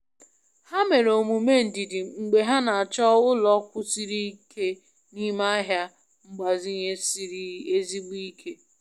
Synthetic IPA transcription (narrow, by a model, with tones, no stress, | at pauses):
ha˦me˨ɾo˨mu˨me˦n̩˨di˨di˨ŋ͡m̩˨ɡ͡be˨ɦa˦na˨a˨t͡ʃɔ˦ʊ˦lɔ˦kʷʊ˦si˦ɾi˦kʰe˦ | ni˦ma˦ɦja˦ | ŋ͡m̩˦ɡ͡ba˨zi˦ɲe˦se˦zi˦ɡ͡bu˦i˦kʰe˦